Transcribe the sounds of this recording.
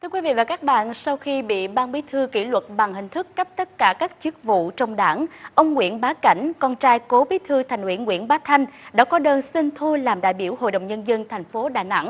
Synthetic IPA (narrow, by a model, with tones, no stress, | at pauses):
t̪ʰɨ˧əkwi˨˦vḭ˧˨vaː˨˩ka˦˥k̚ɓa̰ː˧˨nsa˧wxi˧ɓḭ˧˨ɓaː˧nɓi˨˦t̪ʰɨ˧kḭ˧˩lwə˨˩t̚ɓa˨˩ŋhï˨˩ŋ̟t̪ʰɨ˦˥kːə˦˥p̚t̪ə˦˥t̚kaː˧˩kaː˦˥k̚t͡ɕɨ˦˥ək̚vṵ˧˨t͡ɕɔ˧wŋ͡mɗaː˧˩ŋʔə˧wŋ͡mŋwḭ˧˨ənɓaː˨˦ka̰˧˩jŋ̟kɔ˧nt͡ɕaː˧jko˨˦ɓi˨˦t̪ʰɨ˧t̪ʰɛ˨˩ŋwḭ˧˩ənŋwḭ˧˨ənɓaː˨˦t̪ʰa˧jŋ̟ɗa̰ː˧˥kɔ˨˦ɗəː˧nsi˧nt̪ʰu˧laː˨˩mɗa̰ː˧˨jɓi˧˩əwho̰˧˨jɗə̰˧˨wŋ͡mɲə˧nzə˧nt̪ʰɛ˨˩jŋ̟fo˨˦ɗaː˧˨˩jna̰˧˥ŋ